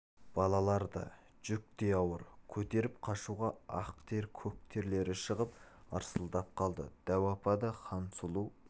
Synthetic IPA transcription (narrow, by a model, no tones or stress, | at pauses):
b̥ɑlˠɑlˠɑɾd̪ə̰ | ʒ̥ʏk̚t̪e̞jɑwəɾkʲʰɵt̪e̞ɾɪp̚qʰɑʃuʁɑɑ̰q̚t̪ʰe̞ɾkʲʰɵk̚t̪ʰe̞ɾle̞ɾɪʃəʁəp̚ɑɾsəlˠd̪ɑp̚qʰɑlˠd̪ə̰d̪̥æwɑpɑd̪ɑχɑnsulˠuw